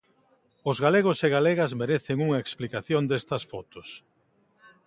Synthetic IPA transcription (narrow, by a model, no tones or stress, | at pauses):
ʊzɣaleɣ̞ʊseɣaleɣɐzmeɾeθɪŋuŋɐeksplikaθjond̪est̪ɐsfɔt̪ʊs